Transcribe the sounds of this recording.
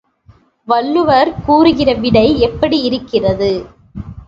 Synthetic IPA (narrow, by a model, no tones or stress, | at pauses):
ʋɐɭːɯʋɐɾkuːɾɯɣɪrɐʋɪɽɐɪɛpːɐɽiɪɾɯkːɪrɐðɯ